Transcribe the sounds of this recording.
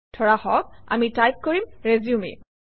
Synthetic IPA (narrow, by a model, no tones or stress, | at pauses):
tʰɔɹahɔk̚a̰mitajp̚koɹimɹeziumḭ